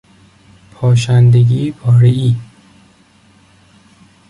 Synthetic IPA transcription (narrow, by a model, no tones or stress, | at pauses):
pʰɒːʃ̬ænd̪eɡiːbɒːɾeiː